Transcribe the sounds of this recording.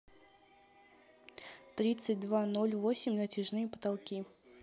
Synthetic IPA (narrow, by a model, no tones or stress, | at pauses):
t̪ɾʲit̪sɨt̚ʲd̪vano̞lʲvosʲɪmʲnətʲɪʐnɨjəpə̥t̪alˠkʲi